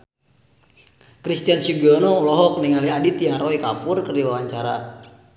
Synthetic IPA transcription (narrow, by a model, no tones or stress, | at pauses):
kɾist̪iansuɡɔnɔulɔɦɔkniŋaliadit̪ijaɾɔikapʊrkərdiwawaɲt͡ʃaɾa̰